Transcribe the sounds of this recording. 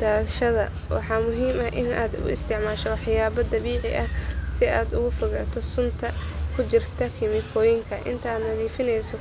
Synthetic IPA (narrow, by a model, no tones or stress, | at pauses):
d̪̥aːʃɐðɐ̰ | wɑ̰ħɑːmʊɦiːmɐʔɪna̰ːd̪ʊ̰ɪ̰st̪ʰɪʕmaːʃɔwɑħjaːβɐd̪ɐβiːʕɪ̰ʔɐhsɪaːd̪ʊ̰ɣʊfɔɣaːt̪ʰɔsʊnt̪ʰɐkʰʊt͡ʃɪrt̪ʰɐkʰɪmɪkʰɔːjɪŋkʰɐʔɪ̰nt̪ʰaːd̪nɐðiːfɪnɛjsɔ